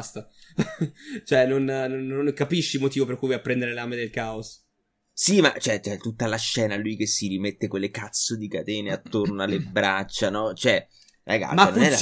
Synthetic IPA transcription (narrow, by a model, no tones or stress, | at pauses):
st̪a | t͡ʃoɛnonnonːoŋkapiʃːilmot̪iːvoperkujvɔapːɾɛnd̪eɾeleamed̪elkaos | sima̰t͡ʃoɛt͡ʃɛt̪ːut̪ːalaʃːɛːnalujkesːiɾimet̪ːekolːekat̪sːod̪ikat̪eːneat̪ːornoalːebɾat͡ʃːanɔt͡ʃoɛ | ɾa̰ɡa̰manonɛ